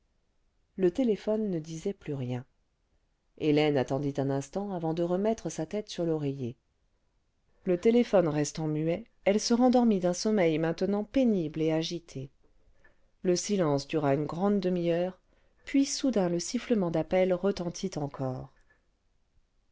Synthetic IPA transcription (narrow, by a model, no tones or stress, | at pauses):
lət̪elefɔnːəd̪izɛplyʁjɛ̃ | elɛnat̪ɑ̃d̪it̪ɛ̃nɛ̃st̪ɑ̃avɑ̃d̪əʁəmɛt̪χəsat̪ɛt̪syʁlɔʁeje | lət̪elefɔnʁɛst̪ɑ̃myɛ | ɛlsəʁɑ̃d̪ɔʁmid̪ɛ̃sɔmɛjmɛ̃t̪ənɑ̃penibleaʒit̪ʰe | ləsilɑ̃sd̪yʁaynɡʁɑ̃d̪ːəmijœːʁ | pɥisud̪ɛ̃ləsifləmɑ̃d̪apɛlʁət̪ɑ̃t̪ʰit̪ɑ̃kʰɔːʁ